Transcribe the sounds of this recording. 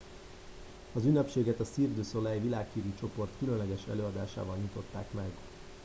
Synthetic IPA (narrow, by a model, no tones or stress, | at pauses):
ɒzynːɛpʃeːɡɛt̪ɒsird̪øːso̞lɛjvilaːkhiːɾit͡ʃo̞po̞rt̪kylønlɛɡɛʃɛ̰løːɒd̪aːʃa̰ːvɒlɲit̪o̞t̪ːa̰ːkmɛɡ